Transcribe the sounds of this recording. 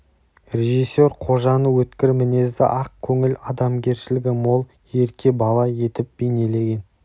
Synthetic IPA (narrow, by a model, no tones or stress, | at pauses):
rʲe̞ʒisːe̞ɾqʰo̞ʒɑnəwɵt̪kʲɪɾmɪne̞zd̪ɪ̰ʔɑq̚kʲʰɵŋɪlɑd̪ɑmɡʲe̞ɾʃɪlɪɡʲɪmo̞lˠ | je̞ɾkʲʰe̞bɑlˠɑje̞t̪ɪp̚b̥e̞jne̞le̞ɡʲe̞n